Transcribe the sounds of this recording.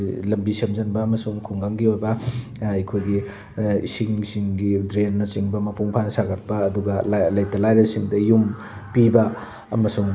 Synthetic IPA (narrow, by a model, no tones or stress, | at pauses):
lɐmbisemzɐnbɐːmɐsuŋkʰuŋɡaŋɡiojbɐɐjkʰojɡi | ḭsiŋsiŋɡidɾenːɐt͡ʃiŋbɐmɐpuŋpʰanɐsaɡɐt̚pɐːduɡɐllɐjtɐlajɾɐsiŋdɐjum | pibɐ̰ː | mɐsuŋ